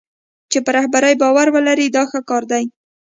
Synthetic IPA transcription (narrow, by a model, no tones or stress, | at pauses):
t͡ʃepəɾahbaɾajbɑwaɾwəlaɾid̪ɑxəkɑɾd̪aj